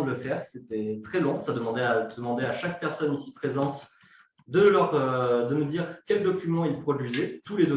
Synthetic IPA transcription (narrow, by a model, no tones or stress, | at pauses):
d̪ələfɛʁset̪ɛt̪χɛlɔ̃sad̪əmɑ̃d̪ɛad̪əmɑ̃d̪eaʃak̚pɛʁsɔnisi̥pχezɑ̃t̪ | d̪əlœʁød̪əməd̪iʁkʲɛld̪ɔkʲymɑ̃ilpχɔd̪ɥizɛt̪uled̪ɔ